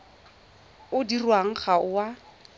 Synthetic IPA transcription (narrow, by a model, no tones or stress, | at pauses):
ʊdirwaŋ̩χaʊwa